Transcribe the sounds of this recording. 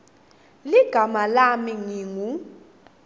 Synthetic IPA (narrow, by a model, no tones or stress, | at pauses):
liɡ̥ʱamalamiŋiŋu